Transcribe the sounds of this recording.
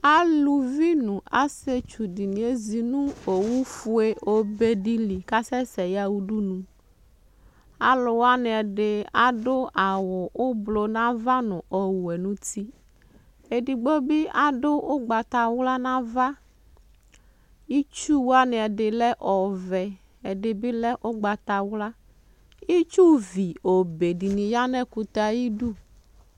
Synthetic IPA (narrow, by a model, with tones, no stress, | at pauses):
a˦lu˨vi˦nũ˨a˦se˦t͡ʃu˨di˨nĩ˨˦e˦zi˨nũ˦o˨wu˦fu˦e˦o˦be˦ɖi˦li˨ka˦sɛ˦sɛ˨ja˦wu˦ɖu˦nũ˨˦ | a˨lo˨wa˦ne˨ɛ˨ɖe˨a˨ɖo˦a˨wɔ˨ʔo˦blo˨nã˦va˦nʊ̃˨ʔɔ˨wu˨e˨nũ˦t̪i˦ | e˨di˨ɡ͡bo˦bɪ˦a˨dʊ˦ʊ˦ɡ͡ba˨t̪a˨wla˦nã˦va˦ | ji˦t͡ʃu˦wa˦ne˨ɛ˨ɖɪ˨lɛ˦ʔɔ˨vɛ˨ | ɛ˨dɪ˨bɪ˦lɛ˦ʔo˦ɡ͡ba˨t̪a˨wla˦ | i˦t͡ʃu˦vi˨o˨be˨di˨nĩ˨ja˦nɛ˦ku˨t̪a˨ji˦du˦˨